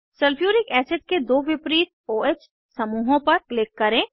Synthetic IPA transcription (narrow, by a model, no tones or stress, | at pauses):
sɐlpʰjuːɾɪkɛːsɪɖ̚ked̪oːʋɪpɾiːt̪̚oːeːt͡ʃ | sɐmuːɦõpɐɾklɪkːɐɾẽ